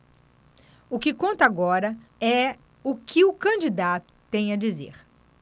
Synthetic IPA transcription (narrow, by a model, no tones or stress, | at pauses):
ʊkɪkõnt̪ɐaɡɔɾɐɛ | ʊkʰɪʊkɐ̃nd͡ʒid̪at̪ʊ̥t̪ẽj̃ɐd͡ʒizḛɾ